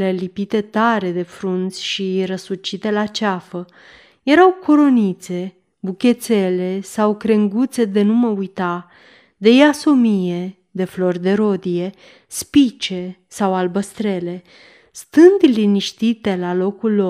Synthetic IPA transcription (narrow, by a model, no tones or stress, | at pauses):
lelipit̪e̞t̪aɾe̞d̪e̞fɾunt̪sʲʃiɾəsut͡ʃit̪e̞lat͡ʃafə | je̞ɾawkʰoɾo̞nit̪se̞ | bukʲe̞t̪se̞le̞sawkɾe̞ŋɡut̪se̞d̪e̞numəujt̪a | d̪e̞jaso̞mije̞ | d̪e̞flo̞rd̪e̞ɾo̞d̪ije | spit͡ʃe̞ | sawalbəst̪ɾe̞le̞ | st̪ɨnd̪liniʃt̪it̪e̞lalo̞kulːo